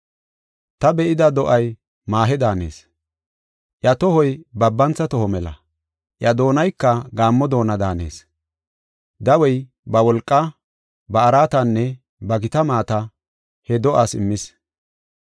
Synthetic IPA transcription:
t̪ɐbɛʔɪd̪ɐd̪ɔʔɐj | maːɦɛd̪aːnḛːs | ʔjɐt̪ɔhɔjbɐbːɐnt͡sːɐt̪ɔhɔmɛlɐ̰ | ʔjɐd̪o̞ːnɐjkːɐɡaːmːɔd̪o̞ːnɐd̪aːne̞̰ːs | d̪ɐwɔj | bɐwɔlkʼːɐ | bɐːɾaːt̪ɐnːɛ | bɐɡɪt̪ɐmaːt̪ɐ | hɛd̪ɔʔasɪ̰mːɪs

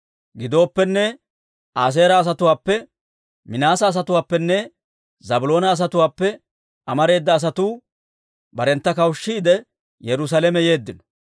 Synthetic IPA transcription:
ɡɪd̪o̞ːpːɛnːɛ | aːs̬e̞ːɾɐːs̬ɐt̪ʊwaːpːɛ | mɪnaːsɐːs̬ɐt̪ʊwaːpːɛnːɛ | zɐbʊlo̞ːnɐːs̬ɐt̪ʊwaːpːɛ | ɐmɐɾe̞ːd̪ːɐːs̬ɐt̪uː | bɐɾɛnt̪ːɐkɐwʃːiːd̪ɛ | jɛɾʊs̬alɛmɛje̞ːd̪ːɪnɔ

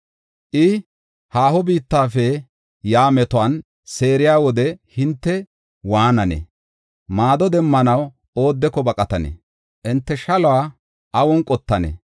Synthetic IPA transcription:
ʔɪ | haːhɔbiːt̪ːaːfɛ | jaːmɛt̪ɔaːn | se̞ːɾɪjaːwɔd̪ɛhɪnt̪ːɛ | waːnɐnḛ | maːd̪ɔd̪ɛmːɐnɐw | o̞ːd̪ːɛkɔbɐkʼɐt̪ɐnḛ | ʔɪnt̪ːɛʃɐlɔwaː | ʔɐwɔnkʼɔt̪ːɐnḛ

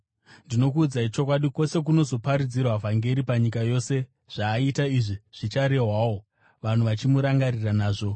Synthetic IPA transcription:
ndino̞k̬uːd͡zait͡ʃo̞kwaɗiko̞se̞k̬uno̞zo̞paɾid͡zirwavʱaŋɡe̞ɾipaɲikajo̞se̞ | ʐ̥aːitaiʐiʐ̥it͡ʃaɾe̞ɦwaːwo̞ | ʋan̤uʋat͡ʃimuɾaŋɡariranaːʐo̞

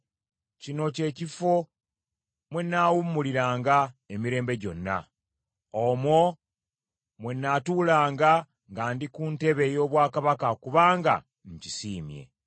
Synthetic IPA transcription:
cino̞ce̞ːcifo̞ | mwenːaːwumːuliɾaːŋɡaemiɾe̞ːmbe̞ɟo̞̰nːa̰ | omwo | mwenːatuːlaːŋɡa | ŋɡaːndikunte̞βe̞jo̞ːβwaːkaβakakuβaːŋɡa̰ | ɲcisiːmje̞̰

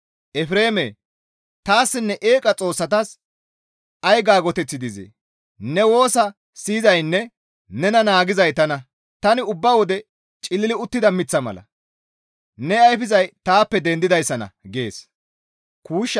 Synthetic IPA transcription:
ʔɛfɾe̞ːmḛː | t̪aːsːɪnːɛʔeːkʼɐt͡sʼo̞ːsːɐt̪ɐs | ɐjɡaːɡɔt̪ɛt͡sːɪd̪ɪzḭ | nɛwo̞ːsɐ | siːzɐjnːɛ | nɛnɐnaːɡɪzɐjt̪ɐnɐ | t̪ɐnɪʊbːɐwɔd̪ɛ | t͡ʃʼɪlːɪlɪʊt̪ːɪd̪ɐmɪt͡sːɐmɐ̰lɐ̰ | nɛɐjfɪzɐjt̪aːpːɛd̪ɛnd̪ɪd̪ɐjsːɐnɐ̰ɡeːs | kuːʃː

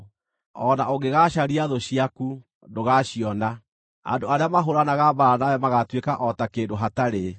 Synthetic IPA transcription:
ɔnaoɡeɣaʃaɾiaðoɕiaku | ndoɣaʃiɔna | a̰ndoaɾeamaɦoɾanaɣabaɾanawɛmaɣatwekaʔɔtakendoɦataɾe

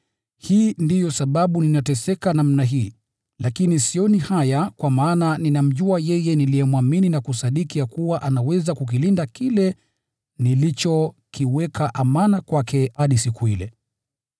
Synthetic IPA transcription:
hiːndijɔsaɓaɓuninatɛsɛkanamnaɦiː | lʔakinisiɔnihajakwamaːnaninam̩ʄuajɛjɛniliɛmwamininakusaɗikijakuwaʔanawɛzakuk̬ilindakilɛ | nilit͡ʃɔ | kiwɛkʰaʔamanakwakʰɛhaɗisikuilɛ

